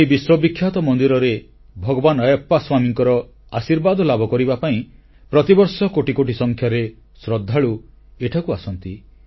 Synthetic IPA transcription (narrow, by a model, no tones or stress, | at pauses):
eibiswɔbikʰːjat̪ɔmɔnd̪iɾɔɾe | bʱɔɡɔbanɔjɔpːaswamiŋkɔɾɔ | asiɾbad̪ʱɔlabʱɔkɔɾibapaĩ | pɾɔt̪ibɔɾsɔkoʈikoʈisɔŋkʰjaɾe | sɾɔd̪ʱːaɭu | eʈʰakuasɔnt̪i